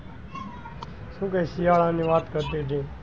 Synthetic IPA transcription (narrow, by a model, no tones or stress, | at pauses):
sũːkeːsijaːɭãːnĩːʋaːt̪kəɾt̪iːɖĩː